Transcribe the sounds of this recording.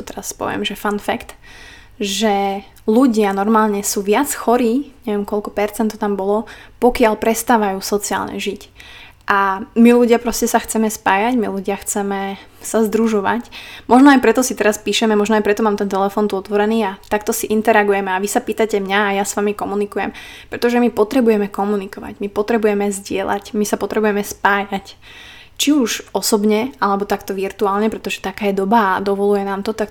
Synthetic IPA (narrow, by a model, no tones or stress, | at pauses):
ɔt̪ɛɾaspɔ̰ʋɪɛ̰mʒɛfanfɛkt̪ | ʒɛ | luɟɪanɔɾmaːlɲɛsuːʋɪat͡sxɔɾiːɲɛʋɪɛmkɔʎkɔpɛɾt͡sɛnt̪ːɔt̪ambɔlɔpɔkɪaʎpɾɛst̪aːʋajuːsɔt͡sia̰ːlɲɛ̰ʒic | ʔamiluɟɪapɾɔscɛsaxt͡sɛmɛspaːjaɟmiluɟɪaxt͡sɛmɛ | sazd̪ɾuʒɔʋa̰cmɔʒnɔajpɾɛt̪ɔsit̪ɛɾaspiːʃɛmɛmɔʒnɔajpɾɛt̪ɔmaːmt̪ɛnt̪ɛlɛfɔnt̪uɔt̪ʋɔɾɛniːat̪ak̚t̪ɔsiʔint̪ɛɾaɡujɛmɛaʋisapiːt̪acɛmɲaːjasʋamikɔmunikujɛ̰m | pɾɛt̪ɔʒɛmipɔt̪ɾɛbujɛmɛkɔmunikɔʋa̰ɟmipɔt̪ɾɛbujɛmɛzɟɪɛla̰cmisapɔt̪ɾɛbujɛmɛspaːjac | t͡ʃiuʒɔsɔbɲɛalɛbɔt̪akt̪ɔʋiɾt̪uaːlɲɛpɾɛt̪ɔʒɛt̪akaːjɛd̪ɔbaːd̪ɔʋɔlujɛnaːmt̪ɔt̪ak